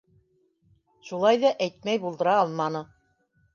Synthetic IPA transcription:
ʃulˠɑjðɑʔæjt̪̚mæjbulˠd̪ɤ̆ɾɑːlˠmɑnɤ

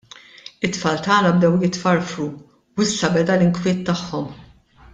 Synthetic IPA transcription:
ɪt̪ːfɐːlt̪ɐːnɐbd̪ɛwjɪt̪fɐɾfɾu | wɪsːɐbɛd̪ɐlɪŋkwɪːt̪ːɐħːɔm

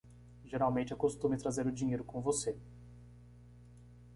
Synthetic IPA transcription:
ʒeɾawmẽnt͡ʃɪɛkost̪ũmɪt̪ɾazeɾʊd͡ʒĩɲejɾʊkõvose

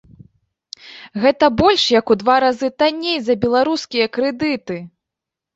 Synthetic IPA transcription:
ɣɛt̪ɐbɔlʲʂjɐkud̪vaɾazɨt̪anʲːejzɐbʲɛlˠaɾuskʲijɐkɾɛd̪ɨt̪ɨ

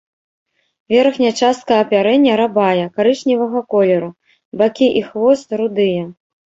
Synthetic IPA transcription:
vʲɛrxnʲɐt͡ʂast̪̚kɐjɐpʲaɾɛnʲːɐɾabajɐkaɾɨʂnʲivɐɣɐkɔlʲɛɾu | bakʲiʔixvɔst̪ɾud̪ɨjɐ

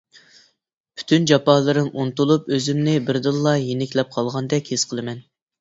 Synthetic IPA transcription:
pʰy̥t̪ʰynd͡ʒɑpɑːlˠɨɾɪmʔunt̪ulˠupøzɪmnɪbɪɾd̪ɨlˠːɑjenɪkʲlɛp̚qʰɑlˠʁɑnd̪ɛkʲhesqʰəlˠɨmɛn

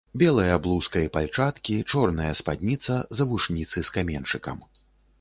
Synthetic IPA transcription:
bʲɛlˠɐjɐblˠuskɐjɐpalʲt͡ʂat̪kʲit͡ʂɔrnɐjɐspa̰d̪ʲnʲit̪sɐzɐvuʂnʲit̪sɨskamʲɛnt͡ʂɨkɐ̰m

